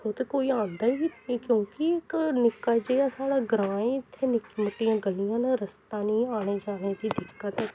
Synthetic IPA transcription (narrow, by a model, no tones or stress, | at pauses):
kʊt̪koːiːãːnd̪aːikjõːkiɪknɪkːad͡ʒeːaːsaːɽaːɡɾãːẽːɪt̪ʰːeːnɪkːməʈːijãːɡəlijãːnaɾəst̪ãːnĩːaːɽ̃eːd͡ʒaːneːd̪iːd̪ɪkːət̪ɛ